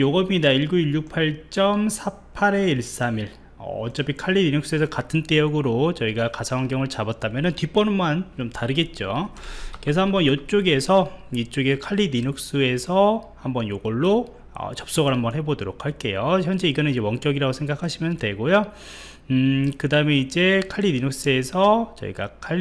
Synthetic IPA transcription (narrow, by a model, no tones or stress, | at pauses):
joɡʌɲidaiɭɡuiɭjuk̚pʰaɭt͡ɕ͈ʌmsʰa | pʰaɾe̞iɭs͈amiɭ | ʌ̰ːt͡ɕ͈ʌbikʰaʎːiniɲuk̚s͈ɯe̞sʰʌkatʰɯnt͈ejʌɡɯɾot͡ɕʌiɡakasʰawaŋɡjʌŋɯɭt͡ɕabʌt̚t͈amjʌnɯntip͈ʌnɯmːant͡ɕomtaɾɯɡe̞t̚t͡ɕ͈oke̞sʰʌhambʌnjʌt͡ɕ͈oɡe̞sʰʌit͡ɕ͈oɡe̞sʰʌkʰaʎːininok̚s͈ɯe̞sʰʌhambʌnjoɡʌɭːo | ʌ̰t͡ɕʌp̚s͈ʌɡɯɭhambʌnɦebodoɾokʰaɭk͈e̞joçjʌnd͡ʑe̞iɡʌnɯnid͡ʑe̞wʌŋt͡ɕ͈ʌɡiɾaɡosʰeŋɡakʰaɕʰimjʌntwe̞ɡojo | kɯdaɯme̞id͡ʑe̞kʰaʎːininok̚s͈ɯe̞sʰʌt͡ɕʌ̰ḭɡakʰa